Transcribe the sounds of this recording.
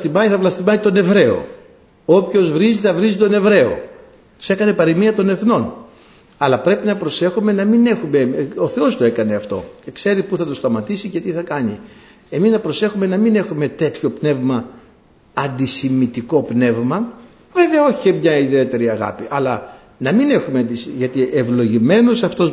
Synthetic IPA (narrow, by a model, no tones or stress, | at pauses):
t̪imɐiθɐvlɐst̪imɐit̪o̞ne̞vɾe̞o̰ | o̞pço̞zvɾiziθɐvɾizit̪one̞vɾe̞o̞̰ | t̪i̥se̞kɐne̞pɐɾimiɐt̪o̞ne̞θno̞n | ɐlɐpɾe̞pinɐpɾo̞se̞xume̞nɐmine̞xume̞oθe̞o̞st̪o̞e̞kɐne̞ɐft̪o̞̰cekse̞ɾipuθɐt̪ost̪ɐmɐt̪isice̞t̪iθɐkɐɲi | e̞miznɐpɾo̞se̞xume̞nɐmine̞xume̞t̪e̞t̪ço̞pne̞vmɐ | ɐnd̪isimit̪iko̞pne̞vmɐ | ve̞veɐo̞çemɲɐiðie̞t̪e̞ɾiɐɣɐ̰piʔɐlɐ | nɐmine̞xumeɐnd̪isʝɐt̪iʔevlo̞ʝime̞nusɐft̪os